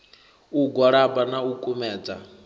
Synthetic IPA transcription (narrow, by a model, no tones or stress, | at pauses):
uɡwaɺabanaukʼumɛːd͡za̰